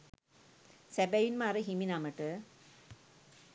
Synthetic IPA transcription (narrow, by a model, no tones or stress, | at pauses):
sɛbɛjinmaɾɨɦiminaməʈɨ